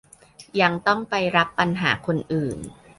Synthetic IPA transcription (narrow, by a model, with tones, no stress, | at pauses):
ja˧ŋt̪ɔ˥˩ŋpa˧jɾa˦˥pːa˧nɦaː˩˦kʰo˧nʔɯː˨˩n